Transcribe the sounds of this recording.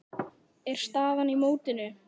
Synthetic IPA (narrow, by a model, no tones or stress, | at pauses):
ɛɾ̥st̪aːvanimoːwt̪ɪnʏ